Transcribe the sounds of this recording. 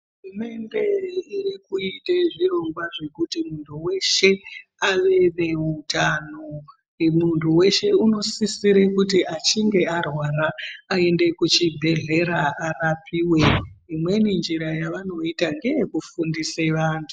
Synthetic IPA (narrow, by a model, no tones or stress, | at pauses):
ɦɦurume̞nde̞irikuiteʐiro̞ŋɡwaʐe̞kutimuntʰuwe̞ʃe̞aʋe̞ne̞utano | muntʰuwe̞ʃe̞uno̞sisiɾekut̬iat͡ʃiŋɡe̞arwaɾaːe̞nde̞kut͡ʃibʱe̞ɮe̞ɾaarapʰiːwe̞imwe̞nind͡ʒiɾajaʋano̞itaŋɡe̞jkufundiseʋaːntʰu